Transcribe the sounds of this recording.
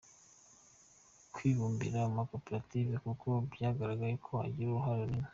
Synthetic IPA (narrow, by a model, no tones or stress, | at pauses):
kʰwiːβuːmbḭɾamako̞peɾativekukʰo̞bjaːɡaɾaɡaɾekʰo̞ha̰ɟiɾuɾuɦaɾoɾime